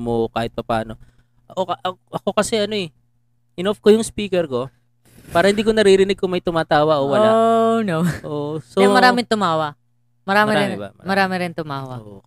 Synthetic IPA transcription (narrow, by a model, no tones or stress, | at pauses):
mokaːhɪt̪̚pɐpaːno̞ | ʔɐʔoɐʔɐʔɐko̞kɐsɛʔɐnoɛ | ʔɪnofkojʊŋspiːkɛɾko̞ | paːɾɐhɪnd̪iːkonɐɾiɾɪnɪɡ̚kʊŋmɐjt̪ʊmaːt̪aːwɐʔowɐanowʔosomɐɾaːmɪŋt̪ʊmaːwɐ | mɐɾaːmɪɾɪ̰mɐɾaːmɪɾɪnt̪ʊmaːwɐ̰o